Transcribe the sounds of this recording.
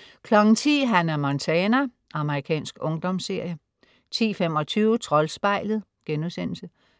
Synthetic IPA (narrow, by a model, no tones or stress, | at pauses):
kʰlɒ̽ɡ̥n̩t͡sʰḭːɦænæɐmɒnt͡sʰɛnæ | ʔɑ̈məʁikʰɛ̰ːnsɡ̥ɔ̽ŋd̥ɒ̽mse̝ɐ̰jə | t͡sʰḭːfem̰ɒ̽t͡sʰyːʊət͡sʰʁɒ̽lsb̥ɑ̈ɪlð̩ˠ | ɡ̥enuðˠsen̰l̩sə